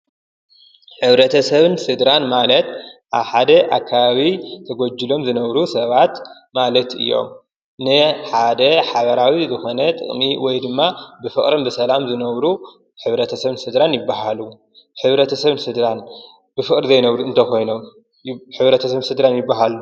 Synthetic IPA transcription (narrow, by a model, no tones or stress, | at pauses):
ħɨβɾɐt̪ʰɐsɐβɨnsɨd̪ɾanmalɐt̪ʔaβħad̪ɐʔakʰːaβaβit̪ʰɐɡod͡ʒːɨlo̞mzɨnɐβɾusɐβat̪ | malɐt̪ɨ̰jːo̞̰m | nɨħad̪ɐħaβɐɾawizɨxo̞nɐt̪ʼɨ̰χʼmiwɔjd̪ɨmːabɨfɨχʼɾɨmbɨsɐlamzɨnɐβɾu | ħɨβɾɐt̪ʰɐsɐβɨnsɨd̪ɾanjɪbːaɦalu | ħɨβɾɐt̪ʰɐsɐβɨnsɨd̪ɾan | b̥ɨfɨkʼɾizɐjnɐβɾuɨnt̪ʰɐxo̞jno̞m | ħɨβɾɐt̪ʰɐsɐβɨnsɨd̪ɾanjɪbːaɦalu